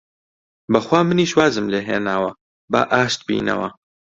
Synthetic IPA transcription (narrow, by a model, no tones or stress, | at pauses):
bɐxwaːmɨniːʃwaːzɨmleːɦḛːnaːwɐ | bɐ̰ʔaːʃt̪̚bḭːnɐ̰wɐ̰